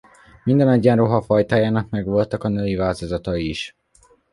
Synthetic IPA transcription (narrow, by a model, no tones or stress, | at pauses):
mind̪ɛnɒɟːɛnroɦɒfɒjt̪aːjaːnɒkmɛɡʋo̞lt̪ɒkɒnøːjivaːlt̪o̞zɒt̪ɒiʃ